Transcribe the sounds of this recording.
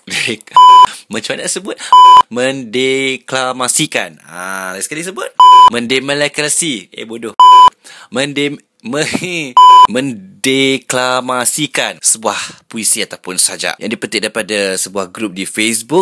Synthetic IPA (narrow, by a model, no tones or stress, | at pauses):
dkmə̃ɲt͡ʃuanaʔsəbʊt̪̚mə̃ndeklamasikan | a̰asə̥kalisəbʊt̪̚mə̃ndeməlakɾasiḛbodoh | mənde | mə | mə̃n | deklamasikansəbuahpuisiat̪apʊnsad͡ʒa̰ʔjʔa̰ŋdipət̪ɪʔ̚daɾipadasəbuahɡɾup̚difesbuk̚